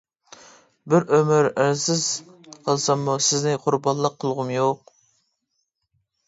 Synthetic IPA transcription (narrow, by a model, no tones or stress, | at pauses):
bɪɾømɪɾæɾsɪz̥qʰəlˠsɑmːusɪznɪqʰʊɾbɑnlˠəqʰːəlˠʁʊmjoq